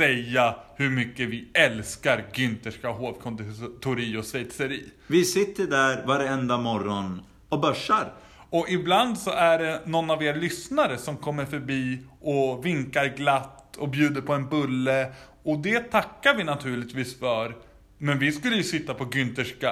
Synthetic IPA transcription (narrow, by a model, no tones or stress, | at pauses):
sɛjːahɵɾmʏkːəvɪɛlskaɾɡʏnt̪əʂkaɦoːvkʰɔnd̪ɪt̪ʰʊɾiːʊsɛjt̪sɛɾiː | vɪsɪt̪ːəɖæɾvaɾɛnd̪amɔɾɔn | ɔbœʂːaɾ | ɔʔɪbland̪sɔʔæɖɛnɔnːaveːɾalʏsnaɾəsɔmkʰɔmːəɾfœɾbiːʔɔvɪŋkaɾɡlat̪ːɔbjʉ̟ːd̪əɾpʰɔɛnbɵlːə | ɔd̪ɛt̪ʰakːaɾvɪnat̪ʰʉ̟ːɭɪt̪viːsfœɾ | mɛnvɪskɵlːəjɵsɪt̪ːapʰɔɡʏnt̪əʂka